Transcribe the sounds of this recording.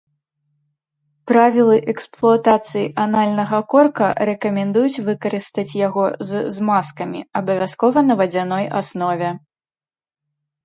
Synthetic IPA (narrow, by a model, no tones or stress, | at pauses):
pɾavʲilˠɨʔɛksplˠuat̪at̪sɨjiʔanalʲnɐɣɐkɔrkɐ̰ɾɛkɐmʲɛnd̪ujut͡sʲvɨkɐɾɨst̪ɐt͡sʲjaɣɔzzmaskɐmʲḭɐbɐvʲaskɔvɐnɐvɐd͡zʲanɔja̰snɔvʲɛ